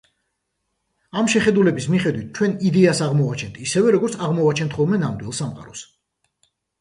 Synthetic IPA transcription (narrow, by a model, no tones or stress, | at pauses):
amʃɛχɛd̪ulɛbismiχɛd̪wit̪̚ʰt͡ʃʰwɛnid̪ɛasaʁmɔat͡ʃʰɛnt̪ʰisɛvɛɾɔɡɔɾt̪sʰaʁmɔat͡ʃʰɛnt̪ʰχɔlˠmɛnamd̪wilˠsamqʼa̰ɾɔs